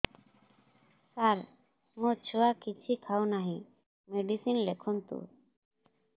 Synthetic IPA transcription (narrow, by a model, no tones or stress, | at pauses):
saɾ | mot͡ʃʰuakit͡ʃʰikʰawnaɦĩ | meɖisinlekʰɔnt̪ṵ